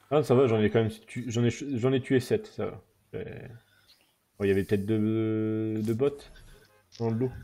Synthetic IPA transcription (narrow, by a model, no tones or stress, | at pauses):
asavaʒɑ̃nɛkɑ̃mɛmst̪ʰyʒɑ̃nɛʃʒɑ̃nɛt̪yesɛt̪sava̰ | ʒɛ̰ | bɔ̃iljavɛpə̥t̪ɛt̪χ̚d̪ə | d̪əbɔt̪ | d̪̥ɑ̃ləlo